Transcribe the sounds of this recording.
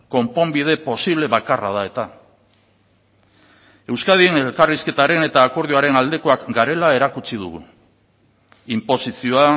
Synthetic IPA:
ko̞mpo̞mbið̞e̞po̞siβle̞βakara̰ð̞ae̞t̪a | e̞wskaðienelkariske̞t̪aɾe̞ne̞t̪aːko̞ɾðiuaɾe̞nald̪e̞ko̞akɡaɾe̞lae̞ɾakut͡sið̞uɣṵ | impo̞sisioa

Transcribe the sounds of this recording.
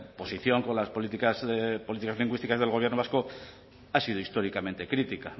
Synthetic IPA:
po̞siθjo̞ŋko̞nlaspolit̪ikazpo̞lit̪ikazliŋɡwist̪ikazð̞e̞lɣ̞o̞βje̞ɾnoβasko | asiðoist̪o̞ɾikamẽ̞nt̪e̞kɾit̪ika

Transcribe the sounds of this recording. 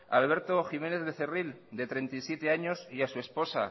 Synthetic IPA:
alβ̞e̞ɾt̪oximẽ̞ne̞θðe̞θe̞rild̪e̞t̪ɾe̞nt̪isje̞t̪e̞aɲosiasue̞spo̞sa̰

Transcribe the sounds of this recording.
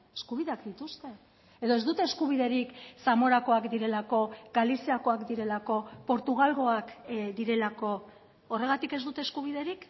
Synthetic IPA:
eskuβ̞iðe̞akd̪it̪ust̪e̞ | eðoe̞zd̪ut̪e̞ːskuβ̞iðe̞ɾiksamo̞ɾako̞akd̪iɾe̞lako̞ɡalisiako̞akd̪iɾe̞lako̞po̞ɾt̪uɣ̞alɣo̞akd̪iɾe̞lako̞ː | re̞ɣat̪ike̞zd̪ut̪eskuβ̞ið̞e̞ɾik

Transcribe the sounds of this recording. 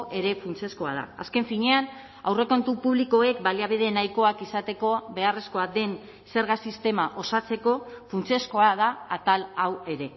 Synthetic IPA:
ʔe̞ɾe̞funt͡siesko̞a̰ð̞a̰a̰ske̞ɱfiɲe̞an | awre̞ko̞nt̪upuβliko̞e̞k̚baliaβið̞e̞najko̞akisat̪e̞ko̞βe̞are̞sko̞ad̪e̞n | se̞ɾɣasist̪e̞maʔo̞sat͡se̞ko̞funt͡siesko̞að̞aat̪alawe̞ɾe̞

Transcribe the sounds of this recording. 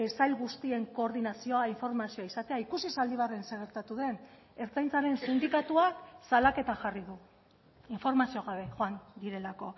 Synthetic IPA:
esajlɣust̪ie̞ŋko̞ːɾðinasioaiɱfo̞ɾmasio̞aisat̪eaikusisald̪iβare̞nseɣ̞e̞ɾt̪at̪uðe̞n | e̞ɾt͡sajnt͡saɾe̞nsind̪ikat̪uaksalake̞t̪axariðu | iɱfo̞ɾmasioɣ̞aβe̞xoand̪iɾe̞lako̞

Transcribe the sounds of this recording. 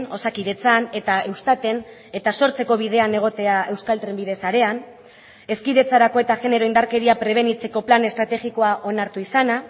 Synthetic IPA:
no̞sakiðe̞t͡sane̞t̪ae̞wst̪at̪e̞ne̞t̪aso̞ɾt͡se̞ko̞β̞ið̞e̞ane̞ɣ̞o̞t̪e̞ae̞wskalt̪ɾembiðe̞saɾe̞an | e̞skiðe̞t͡saɾako̞e̞t̪aɣe̞ne̞ɾo̞ind̪aɾke̞ɾiapɾe̞β̞e̞nit͡se̞ko̞plane̞st̪ɾat̪e̞ɣiko̞aʔo̞naɾt̪uisana

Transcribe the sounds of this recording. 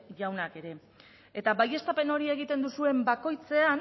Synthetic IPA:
ʝawnake̞ɾe̞ | e̞t̪aβaje̞st̪ape̞no̞ɾie̞ɣ̞it̪e̞nd̪usue̞mbako̞jt͡se̞an

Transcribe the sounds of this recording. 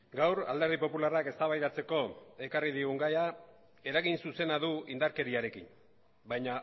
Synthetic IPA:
ɡawɾa̰ld̪eɾðipo̞pularake̞st̪aβajðat͡se̞ko̞e̞karið̞iɣuŋɡaja | e̞ɾaɣinsuse̞naðuind̪aɾke̞ɾiaɾe̞kin | bajɲa

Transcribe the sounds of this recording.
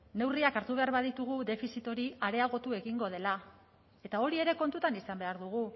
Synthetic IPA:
ne̞wriakaɾt̪uβe̞aɾβaðit̪uɣ̞uðe̞fisit̪o̞ɾiaɾe̞aɣo̞t̪ue̞ɣiŋɡo̞ð̞e̞la | e̞t̪ao̞ɾie̞ɾe̞ko̞nt̪ut̪anisambe̞aɾðuɣ̞u

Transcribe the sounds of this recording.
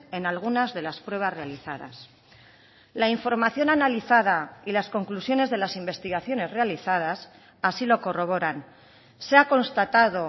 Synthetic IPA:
e̞nalɣ̞unazðe̞laspɾwe̞β̞asre̞aliθaða̰s | laiɱfo̞ɾmaθjo̞nanaliθað̞ailasko̞ŋklusjo̞ne̞zðe̞lasimbe̞st̪iɣaθjo̞ne̞zre̞aliθað̞as | asilo̞ko̞ro̞β̞o̞ɾan | seako̞nst̪at̪að̞o̞

